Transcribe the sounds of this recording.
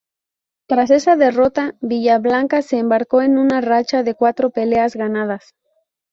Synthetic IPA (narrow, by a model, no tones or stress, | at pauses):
t̪ɾas̬e̞saðe̞ro̞t̪aβiʝaβlaŋkase̞ːmbaɾko̞e̞nũnarat͡ʃaðe̞kwat̪ɾo̞pe̞le̞azɣanað̞as